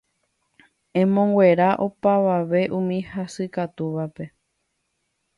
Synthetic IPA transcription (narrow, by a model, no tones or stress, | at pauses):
ẽ̞mõŋɡwʷe̞ɾaʔopaʋaʋe̞ʔũmĩhasɨkat̪uʋape̞